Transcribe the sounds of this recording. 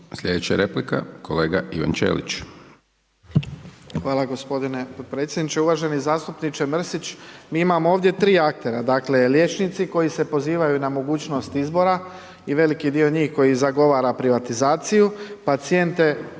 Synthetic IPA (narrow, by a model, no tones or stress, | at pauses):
slʎʲed̪et͡ɕt͡ʃa̰ɾeplika̰kʰoleːɡaʔiʋa̰nt͡ʃḛlḭt͡ʃ | xʋaːlˠaɡo̞spo̞d̪ine̞pot̪̚pɾet̪sjed̪nit͡ʃeuʋaːʒe̞nizaːst̪upnit͡ʃemr̩sit͡ʃmiːimamooʋd̪je̞t̪ɾiːak̚t̪e̞ɾad̪aːkle̞lje̞ːt͡ʃnit̪siko̞jise̞po̞ziːʋajunamo̞ɡuːt͡ʃno̞st̪izbo̞ɾa | iʋe̞likid̪io̞ɲiːxko̞jizaɡo̞ʋaːɾapɾiʋat̪izaːt̪sijupat̪sijent̪e̞